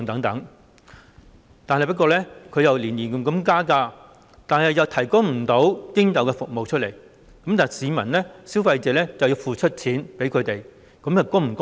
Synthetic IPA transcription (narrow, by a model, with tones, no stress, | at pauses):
ŋt̪ɐ˨˥ŋt̪ɐ˨˥ŋ | t̪aː˨nɦjpɐ˥t̚kɔː˧lɛ˥kʰɵ˨˧ɥjɐ˨wliː˨˩nliː˨˩nkɐ˨˧mkɐ˧˥mkaː˥kaː˧ | t̪aː˨nɐ˨˩jjɐ˨wt̪ʰɐ˨˩jkʊ˥ŋm̩˨˩t̪o˨˥wt̪ɪ˥ŋt̪ɐ˨˧wkɛː˧fʊ˨k̚mo˨wt͡ʃʰɵ˥t̚le˨˩j | kɐ˨˥mt̪aː˨˩˨siː˨˧mɐ˨˩nlɛː˥si˥wfɐ˧jt͡sɛː˨˧lɛː˥t͡sɐ˨wjiː˧wfuː˨t͡ʃʰɵ˥t̚t͡sʰiː˨˥npe˨˥jkʰɵ˨˧ɥt̪e˨˩j | kɐ˨˥mjɐ˨wkʊ˥ŋm̩˨˩kʊ˥